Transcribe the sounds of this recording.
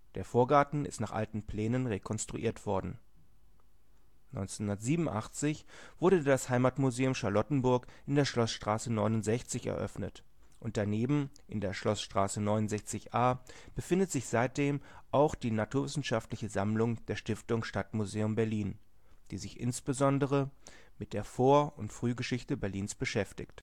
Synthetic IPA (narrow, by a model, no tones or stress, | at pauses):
d̥eːɐfoːɐɡaɐtn̩ɪ̰stnaːχʔa̰ltn̩pl̥ɛːnənʁekʰɔnstʁ̥uʔḭːɐtv̥ɔɐdn̩ | nɔ̰ʏnt͡senʊndɐtz̥iːbm̩nʔa̰χt͡sɪçv̥ʊɐdədashaɪmaːtmuzeːʊmʃaɐlɔtn̩bʊɐkʔɪndeːɐʃlɔsʃtʁ̥aːsənɔʏnʊntz̥ɛçt͡sɪçɛ̰ɐʔœ̰fnət | ʔʊnt̚d̥aneːbm̩ | ʔɪndeːɐʃlɔsʃtʁ̥aːsənɔʏnʊnzɛçt͡sɪçʔaːb̥əfɪndətz̥ɪçz̥aɪt̚d̥eːmʔaʊxd̥iːnatʰuːɐvɪsn̩ʃaftlɪçəzamlʊŋd̥eːɐʃtɪftʊŋʃtatmuzeːʊmbɛɐliːn | d̥iːzɪçʔɪ̰nsb̥əzɔndəʁ̞ə | mɪt̚d̥eːɐfoːɐʊntfʁ̥yːɡəʃɪçtəbɛɐliːnsb̥əʃɛftɪ̰çt